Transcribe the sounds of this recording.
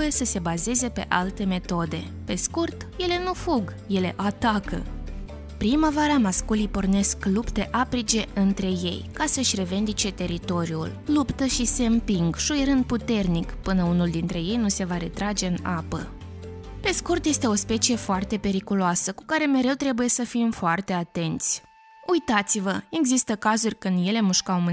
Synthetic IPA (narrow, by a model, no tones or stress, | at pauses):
jesəse̞baze̞ze̞pe̞̰ʔalt̪e̞me̞t̪o̞d̪e̞ | pe̞skurt̪je̞le̞nufuɡje̞le̞ʔat̪akə̰ | pɾiməvaɾəamaskulijpo̞rne̞sklupt̪e̞ʔapɾit͡ʃe̞ɨnt̪ɾe̞je̞̰jkasəʃʲre̞ve̞nd̪it͡ʃe̞t̪e̞ɾit̪o̞ɾiṵllupt̪əʃise̞ɨmpiŋɡʃujɾɨnd̪̚put̪e̞rnikpɨnəunuld̪int̪ɾe̞je̞jnuse̞vaɾe̞t̪ɾad͡ʒe̞ɨnapə̰ | pe̞skurt̪jest̪e̞o̞spe̞t͡ʃije̞foart̪e̞pe̞ɾikuloasəku̥kaɾe̞me̞ɾe̞wt̪ɾe̞buje̞səfimfoart̪e̞at̪e̞nt̪sʲ | ujt̪at̪sivəe̞ɡzist̪əkazurʲkɨnd̪je̞le̞muʃkawmɨ